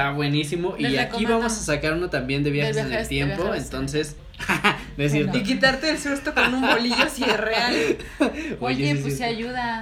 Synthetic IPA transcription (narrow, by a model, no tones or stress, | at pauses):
aβwe̞nisimo̞ʔiakiβamo̞sasakaɾunot̪ambje̞nd̪e̞βjaxesenelt̪je̞mpo̞ent̪o̞ns̬e̞s | es̬jeɾt̪oik̬it̪aɾt̪eːlsust̪oko̞nũmboliʝosierea | ojesis̬juða